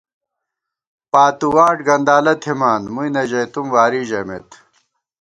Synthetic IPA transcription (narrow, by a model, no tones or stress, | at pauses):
paːt̪uwaːʈɡɐnd̪aːlɐt̪ʰimaːnmuinɐʑɐjt̪umwaːɾiʑɐmḛt̪